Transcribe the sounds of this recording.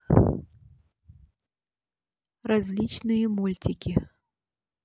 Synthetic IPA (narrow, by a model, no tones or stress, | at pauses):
ɾazʲlʲit͡ʃnɨjɐmulʲt͡sʲikʲi